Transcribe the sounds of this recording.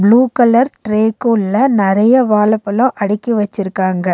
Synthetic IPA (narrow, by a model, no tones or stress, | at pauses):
bluːkɐlɐɾʈɾeːkʊɭːɐnɪɾɐjɐʋaːlɐpːɐlʊ̃ʔɐɽɪkːiʋɐt͡ʃːɪɾɯkːaːŋɡɐ